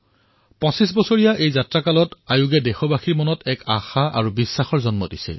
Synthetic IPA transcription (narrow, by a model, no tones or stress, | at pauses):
pɔ̃sis̬bɔsɔɹijaʔejzatɹakalɔtajuɡɛdɛxɔbaxiɹmɔnɔtɛka̰xaʔa̰ɹubisːaxɔɹzɔnmɔdisɛ̰